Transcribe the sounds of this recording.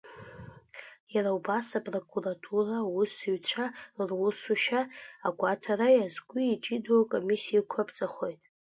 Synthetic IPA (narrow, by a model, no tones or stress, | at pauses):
jarawbasapʼro̞kʼuratʰurawʊsɨɥt͡ɕʷʰarwʊsuʃaaɡʷʼatʰarajazɡʷiːt͡ʃʼidakʼomisijakʷʰapt͡sʼaχo̞jtʼ